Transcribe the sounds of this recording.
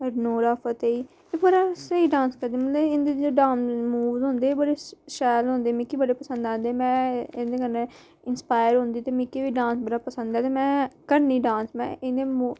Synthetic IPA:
ənoːɾaːpʰət̪eiː | ebəɾaːsəiːɖãːnskəɾd̪eiːmət̪ləɪnd̪eːd͡ʒoːɖãːnmuːʋd̪ɦõːnd̪eːbəɽeːʃɛːlɦõːnd̪eːmɪkːiːbəɽeːpəsə̃nd̪ãːnd̪eːmɛ̃ːɪnd̪eːkəɾn | ɪnspaːjəɾɦʊ̃ːnd̪iːt̪eːmɪkːiːʋiːɖãːnsbəɽaːpəsə̃nd̪aːt̪eːmɛ̃ːkəɾniːɖãːnsmɛ̰̃ːɪnd̪eːmu

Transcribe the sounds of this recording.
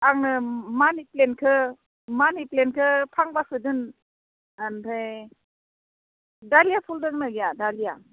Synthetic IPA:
aŋnɯmaniplenkʰɯ | maniplenkʰɯpʰaŋbasɯdɯn | antʰaj | dalijapʰuldɯŋnaɡijadalija

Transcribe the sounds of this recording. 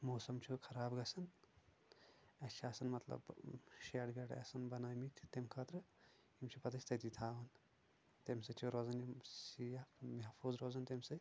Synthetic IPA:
moːsɐmt͡ʃʰukʰɐɾaːbɡɐsɐn | ɐt͡ʃʰiaːsɐnmɐt̪lɐ̰bʃeːʈɡɐʈɐ̰sɐnbɐnaːjmit̪ʰʲt̪emkʰɐt̪ɾɨ | imt͡ʃʰupɐt̪ɐsʰʲt̪ɐt̪it̪ʰaːʋɐn | t̪emsɐt͡ʃʰuɾoːzɐnjiijamɐɦfʰuːzɾoːzɐnt̪emsɐ

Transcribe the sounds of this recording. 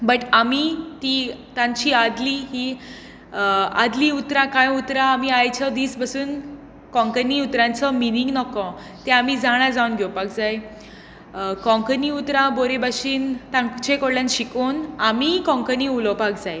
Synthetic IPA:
bəʈamit̪it̪ãɲt͡ɕiːad̪liːɦi | ad̪liːut̪ɾãkãjut̪ɾãːmiajt͡ɕʰəd̪iːsbəsuːn | kɔ̃ŋkəniːut̪ɾãnt͡sɔminiŋɡnɔkɔ̃ | t̪eamiːd͡zaɽ̃ad͡zaunɡʱjɔwpakd͡zaj | kɔ̃ŋkəniut̪ɾãboɾebaɕiːnt̪ãŋkt͡ɕẽkoɽljanɕikonamiːkɔ̃ŋkəniːulɔpakd͡zaj

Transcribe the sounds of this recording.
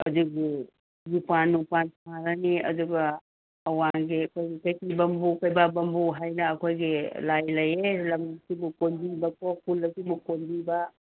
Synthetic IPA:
ɐduɡi | jupanːupansʰaɾɐniɐ̰duɡɐː | waɡikojɡikɐjkibɐmbukɐjbabɐmbuɦajnɐːkʰojɡilajlɐjelɐmsibukonbibɐkɔkʰulːɐsibukonbibɐ

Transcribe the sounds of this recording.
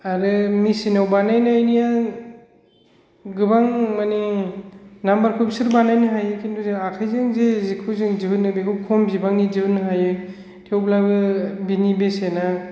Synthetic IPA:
aɾɯmisinawbanajnjnija | ɡɯbaŋmani | nambaɾkʰɯbsɯɾbanajnɯɦajɯkʰindʰuzɯakʰajzeŋzezikʰɯzɯŋziɦɯnɯbekʰɯwkʰɔmzibaŋniziɯnːɯɦajɯ | tʰiowblabɯbinibesena

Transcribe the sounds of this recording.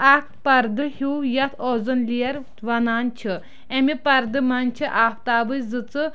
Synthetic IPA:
akpɐɾd̪ɨhiwjɐt̪ʰɔzɨnliɐɾ | ʋɐnaːnt͡ʃʰi | emipɐɾd̪ɨmɐnt͡ʃʰiʔaːft̪aːʋɨjzɨt͡sɨ

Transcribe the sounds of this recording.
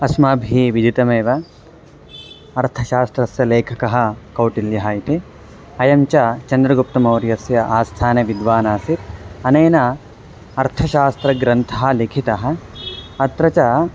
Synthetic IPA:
ɐsmaːbʱiiʋid̪it̪ɐmeːʋɐ | ɐɾt̪ʰɐʃaːst̪ɾɐsjɐleːkʰɐkɐɦɐ̆kɐwʈiljɐɦɐit̪i | ɐjɐmt͡ʃɐt͡ʃɐnd̪ɾɐɡup̚t̪ɐmɐwɾjɐsjɐʔaːst̪ʰaːneʋid̪ʋaːnaːsit̪ɐneːnɐ | ɐɾt̪ʰɐʃaːst̪ɾɐɡɾɐnt̪ʰɐɦɐ̆likʰit̪ɐɦɐ̆ɐt̪ɾɐt͡ʃɐ

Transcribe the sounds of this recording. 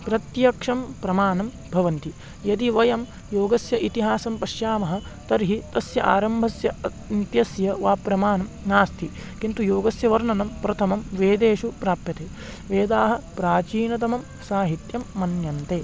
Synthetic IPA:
pɾɐt̪jɐkʂɐmpɾɐmaːnɐm | bʱɐʋɐnt̪i | jɐd̪iʋɐjɐm | joːɡɐsjɐʔit̪iɦaːsɐmpɐʃjaːmɐɦɐ̆ | t̪ɐɾɦit̪ɐsjɐʔa̰ːɾɐmbʱɐsjɐ | nt̪jɐsjɐʋaːpɾɐmaːnɐmnaːst̪ʰikint̪ujoːɡɐsjɐʋɐɾnɐnɐmpɾɐt̪ʰɐmɐmʋeːd̪eːʂupɾaːpjɐt̪eː | ʋeːd̪aːɦɐ̆pɾaːt͡ʃiːnɐt̪̬ɐmɐm | saːɦit̪jɐmːɐnjɐnt̪eː

